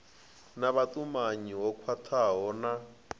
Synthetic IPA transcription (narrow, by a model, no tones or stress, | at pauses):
naβatʼumaɲiwɔkʰwatʰaɦɔːna